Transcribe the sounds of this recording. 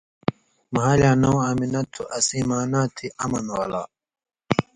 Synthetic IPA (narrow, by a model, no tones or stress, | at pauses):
maːlaːnõwaminɐt̪ʰːuʔɐsiːmaːnaːt̪ʰiʔɐmɐnwaːla̰ː